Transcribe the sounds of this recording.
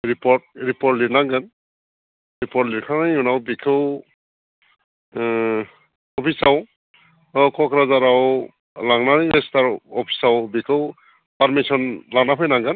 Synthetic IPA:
ɾipɔɾt̚ɾipɔɾtliɾnaŋɡɯn | ɾipɔtliɾkʰanajunawbikʰɯw | ɔpʰisaw | kɔkɾazaɾaw | laŋnanɯjɾestaɾɔpʰi̥sawbikʰɯw | paɾmisɔnlaŋnapʰɯjnaŋɡɯn

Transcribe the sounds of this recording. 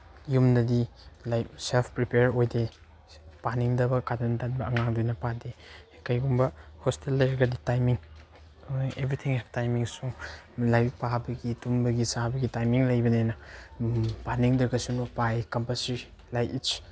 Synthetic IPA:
jumnɐdi | lajselpʰpɾipeɾojde | paniŋdɐbɐkadantanbɐɐŋaŋdojnɐpade | kajɡumbɐhostelːɐjɾɐɡɐditajmiŋ | ebɾit̪ʰiŋhɛftajmiŋsu | lajbpabɐɡitumbɐɡisabɐɡitajmiŋlɐjbɐnenɐ | paniŋdɾɐɡɐsunupajkɐmpasi | lajit͡ʃ

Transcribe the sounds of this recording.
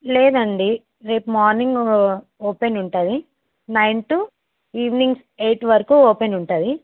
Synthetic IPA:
leːd̪ɐɳɖi | ɾeːpumaːɾniŋɡ | oːpenuɳʈaːd̪i | nɐjnʈu | iːʋniŋɡs | e̞ːʈʋɐɾɐkuːoːpenuɳʈaːd̪i

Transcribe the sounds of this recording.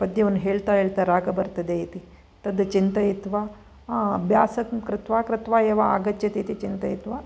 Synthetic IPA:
pɐd̪jɐʋɐnːɦeːɭt̪aːɦeːɭt̪aɾaːɡɐbɐɾt̪ɐd̪eit̪i | t̪ɐd̪ɐt͡ʃint̪ɐit̪ʋaː | bʱjaːsɐkkɾɪt̪ʋaːkɾɪt̪ʋaːeːʋaa̰ːɡɐt͡ʃːjɐt̪it̪it͡ʃint̪ɐjit̪ʋaː

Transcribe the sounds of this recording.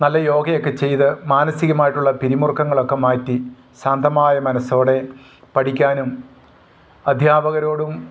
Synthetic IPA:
nɐlːɐjo̞ːɡɐjokːe̞t͡ɕe̞jt̪ɨmaːnɐsiɣɐmaːjiʈːuɭːɐpiɾimurkːɐŋːɐɭo̞kːe̞maːtːi | saːnd̪ʱɐmaːjɐmɐnɐso̞ːɽe̞ | pɐʈʰikʲːaːnum | ɐd̪ʱjaːbɐɣɐɾo̞ːɽum

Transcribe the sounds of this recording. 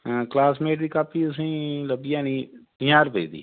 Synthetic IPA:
klaːsmeːʈd̪iːkaːpʰiːəsĩːləbijãːnĩːtɪjaːɾpḛiːd̪ḭː

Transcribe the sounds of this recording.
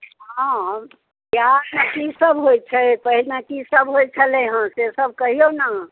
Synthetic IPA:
ɦã | kjaskisəbɦojt͡ʃʰɛpəɦilnakisəbɦojt͡ʃʰəleɦãsesəb̚kəɦiona

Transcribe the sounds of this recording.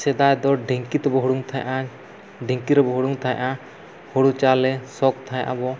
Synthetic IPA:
sɛd̪ajd̪ɔɖeŋkit̪ɛbɔɦɔɽuŋt̪ʰajʔa | ɖʱeŋkiɾɛbɔɦɔɽuŋt̪ʰaja̰ʔa | hɔɽut͡ʃalɛsɔk̚t̪ʰaja̰ʔa̰bɔ

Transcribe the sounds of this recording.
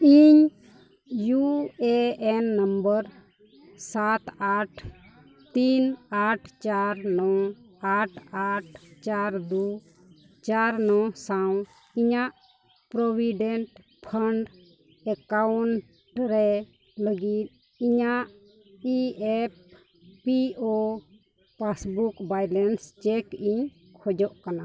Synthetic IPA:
iɲ | juɛɛnːəmbəɾ | sat̪aʈʰ | t̪inaʈʰt͡ʃaɾnɔ | aʈʰaʈʰt͡ʃaɾd̪u | t͡ʃaɾnɔsaw̃ | iɲaʔ | pɾɔbʱiɖɛɳʈ | pʰaɳɖ | ɛkawɳʈ | ɾɛ | ləɡit̪̚ | iɲaʔ | iɛp̚ː | iɔ | pasbukbajlɛnst͡ʃɛkiɲ | kʰɔd͡ʒɔʔkana

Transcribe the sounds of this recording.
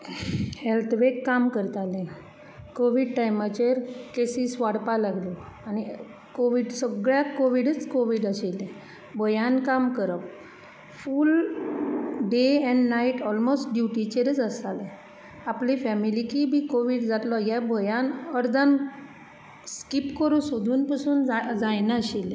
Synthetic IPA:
helt̪ʰʋekːamkəɾt̪alẽ | koʋiɖʈajmat͡ɕeɾkesisʋaɽpalaɡlɔani | koʋiɖsəɡɭjakoʋiɽət͡skoʋiɽəɕelẽ | bʱojãnkamkəɾəp | fuːl | ɖeɛ̃ɳɖnaiʈɔlmosʈɖjuʈit͡ɕeɾd͡zəsale | aplifɛmilikibiːkoʋiːɽd͡zat̪lɔjabʱɔjãnəɾd̪ʱan | skipkəɾuːsud̪ʱuːnpasuːnd͡zajnaəɕile

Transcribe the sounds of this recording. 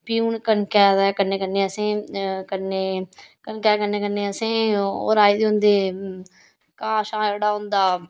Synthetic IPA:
piːuːɳkənkɛːd̪ɛːkənːeːkənːeːəsẽːkənːeːkənkɛːkənːeːkənːeːəsẽːo̰ːɾaːiːd̪eːʊnd̪eː | kãːʃãːeːɽaːɦʊ̃nd̪aː

